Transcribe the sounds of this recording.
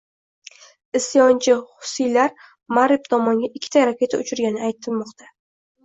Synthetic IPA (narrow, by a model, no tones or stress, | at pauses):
ɪsjɒnt͡ʃʰɪχʊ̥sɪjlaɾ | maɾɪp̚t̪ʰɒmɒŋɡʲaʔɪkʲʰːɪ̥t̪ʰaɾakʲe̞t̪ʰaʊt͡ʃʰʊɾɡʲanɪajt̪ʰɪlmɒqt̪ʰa